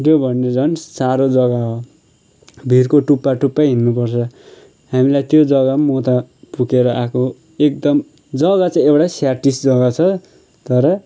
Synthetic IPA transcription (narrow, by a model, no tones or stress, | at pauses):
jobʱʌnːed͡zʌnsaɾod͡zʌɡaɦo | bʱirkoʈupːaʈupːajɦinːupʌrt͡sʰʌ | ɦamilajt̪jod͡zʌɡamot̪apukeɾʌʔakʰo | ek̚d̪ʌm | d͡zʌɡat͡sʌj̃ewʈasjaʈisd͡zʌɡat͡sʰʌ | t̪ʌɾʌ